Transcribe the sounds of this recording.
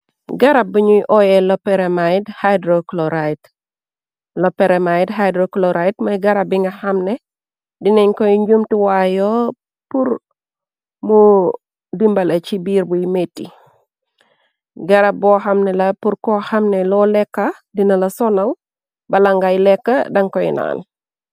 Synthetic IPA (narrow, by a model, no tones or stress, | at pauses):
ɡɐɾɐbiɲujʔɔjɛlɔpːɛɾɛmajdhajdɾoklɔɾajt | lɔpːɛɾɛmajdhajdɾoklɔɾajtmɐjɡɐɾɐbiŋɡɐhɐmnɛ | dinɛɲkɔjɲd͡ʒumtiwajɔ | puɾ | mu | dimbɐlɐt͡ʃibiːɾbujmetːi | ɡɐɾɐbɔxɐmnɛlɐpuɾkɔhɐmnɛlɔlɛkːɐdinɐlɐsɔnɐl | bɐlɐŋɡajlɛkːɐdɐŋkɔjna̰ːn